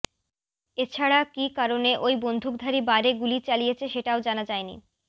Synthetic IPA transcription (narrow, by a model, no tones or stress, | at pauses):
et͡ɕʰaɽakikaɾoneʔojbond̪ʱuk̚d̪ʱaɾibaɾeɡulit͡ɕalijet͡ɕʰeʃeʈaod͡ʑanad͡ʑaenḭ